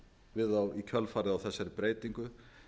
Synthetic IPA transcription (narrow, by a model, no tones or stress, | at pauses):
vɪðawicʰœlfaːɾɪðawθɛsːaɾɪpɾeːjt̪iŋkʏ